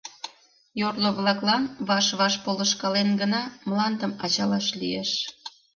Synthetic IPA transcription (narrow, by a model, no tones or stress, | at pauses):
jorloβlɑklɑnβɑʃβɑʃpoləʃkɑlenɡənɑmlɑnd̪əmɑt͡ɕɑlɑʃlieʃ